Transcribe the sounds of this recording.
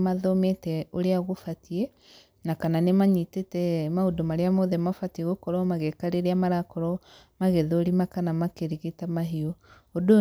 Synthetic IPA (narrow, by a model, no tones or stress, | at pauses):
maðɔmetɛoɾeaɣofatie | nakananemaɲitetɛmaodomaɾeamoðɛmafatieɣokɔɾɔmaɣɛkaɾeɾeamaɾakɔɾɔ | maɣɛðoɾimakanamakeɾiɣetamaɦiɔ | odo